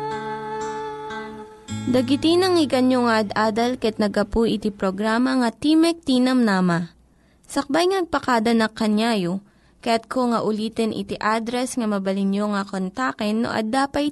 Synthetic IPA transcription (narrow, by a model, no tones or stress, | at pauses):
d̪ɐɡɪt̪inɐŋɪɡɐnjoŋɐʔɐd̪aːd̪ɐlkɐɐt̪̚nɐɡɐpuʔɪt̪ipɾoɡɾaːmɐŋɐt̪imɛk̚t̪iːnɐmnaːmɐ | sɐk̚bajŋɐnɐɡ̚pɐkad̪ɐnɐkːɐnjajo | kɐjat̪̚kʰoŋɐʔʊliːt̪ɛnʔɪ̰t̪iʔaːd̪ɾɛsŋɐmɐbɐlɪnjoŋɐkont̪akɛnːo̰ʔɐ̰d̪aːpɐj